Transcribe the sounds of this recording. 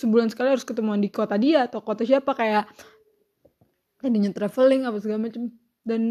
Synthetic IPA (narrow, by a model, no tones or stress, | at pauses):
səbulansə̥kaliɦaɾʊskət̪əmuandikot̪adiat̪okot̪asiapakaja | kadiɲat̪ɾɛfəlɪŋapasəɡamat͡ʃəm | dan